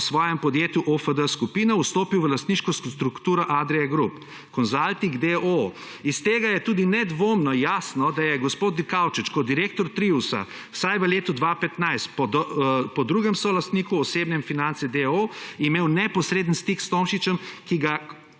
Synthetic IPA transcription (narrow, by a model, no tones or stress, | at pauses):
sʋɔːjɛmpɔd̪jeːt̪juʔofəd̪əskupiːnɔust̪oːpiwʋəlast̪niʃkɔst̪ɾukt̪uːɾɔʔad̪ɾɛjɛɡɾup | kɔnzalt̪iɡd̪eʔo | ist̪eːɡajɛt̪uːd̪inɛd̪ʋoːmnɔjaːsnɔd̪ajɛɡɔspoːt̪nikawt͡ʃit͡ʃkɔd̪iɾeːk̚t̪ɔɾt̪ɾiusa̰ | wsajʋəleːt̪ud̪ʋaːpɛt̪najst̪pɔpɔd̪ɾuɡɛmsolast̪niːkuɔseːbnɛmfinant̪sɛd̪eoimeːwnɛpɔsɾeːd̪ənst̪ikst̪omʃit͡ʃɛmkiɡa